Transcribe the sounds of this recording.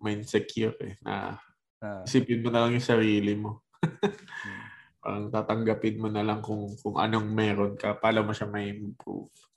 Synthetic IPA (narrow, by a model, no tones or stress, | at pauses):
mɐjnsɛkjʊɾɛ̰nʔɐ̰ | ɪsiːpɪnmonɐlɐŋjʊŋsɐɾiːlɪmo̞ | pa̰ːɾɐŋt̪aːt̪ɐŋɡɐpɪnmonɐlaŋkʊŋkʊŋʔɐ̰no̞ŋmɛːɾo̞nkɐpaːlɐmoʃamɐhimɪɡ̚pṵf